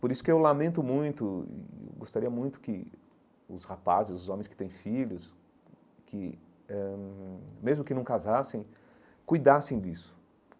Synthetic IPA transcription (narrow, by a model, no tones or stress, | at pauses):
poɾisʊ̥kɪewlamẽnt̪ʊmũj̃t̪ʊɪ̰ḛwɡost̪aɾiɐmũj̃t̪ʊ̥kɪ | ʊ̰shapazɪzʊzõmẽj̃skɪ̥t̪ẽj̃fiʎʊs | kʰɪ | ɛ | mezmʊkɪnɐ̃w̃kazasẽj̃ | kujd̪asẽj̃d̪isʊ̥